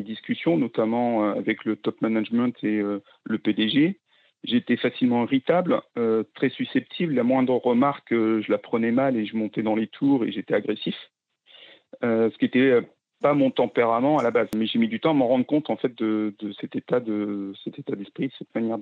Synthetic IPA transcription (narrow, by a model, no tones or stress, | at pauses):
d̪iskʲysjɔ̃nɔt̪amɑ̃øa̰vɛklət̪ɔpmanaʒmɛ̃t̪ʰeø | ləped̪eʒe | ʒeːt̪ɛfasilmɑ̃iʁit̪abløt̪χɛsysɛp̚t̪ʰiblːamwɛ̃d̪ʁəʁəmaʁkøʒəlapχənɛmaleʒəmɔ̃t̪ɛd̪ɑ̃let̪ʰuʁeʒet̪ɛaɡʁesif | øsə̥kʲiet̪ɛø | pamɔ̃t̪ɑ̃peʁamɑ̃alabazmɛʒemid̪yt̪ɑ̃aməʁɑ̃d̪ʁəkɔ̃t̪ɑ̃fɛt̪̚d̪əd̪əsɛt̪et̪ad̪əsɛt̪et̪ad̪ɛspχid̪əsɛt̪manjɛʁ